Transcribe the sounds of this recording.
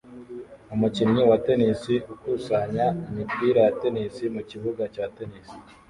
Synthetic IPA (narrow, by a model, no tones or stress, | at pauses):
umucimɲiwate̞nisiukusaɲaimibɡiːɾejate̞nisimuciβuɡacaːte̞nisi̥